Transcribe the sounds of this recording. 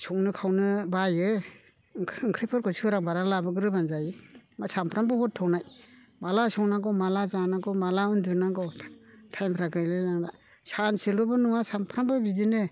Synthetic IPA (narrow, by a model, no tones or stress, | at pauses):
sɔŋnɯkʰawnɯbaje | ŋkʰɾepʰɔɾkʰɔsʰɯɾaŋbaɾalabɯɡɯɾɯbanzajɯmasampʰɾambɔhɔtʰːɔŋnaj | malasɔŋnaɡɔmalazanaɡɔmalaɯndɯnaɡɔtʰajmpʰɾaɡɯjlɯlaŋda | sanselɔbɔnuwasampʰɾambɯbizinɯ